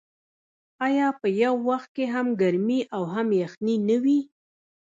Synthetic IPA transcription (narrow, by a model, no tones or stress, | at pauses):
ɑjɑpəjawːaxt̪̚keɦamɡaɾmiʔawɦamjaxninəwi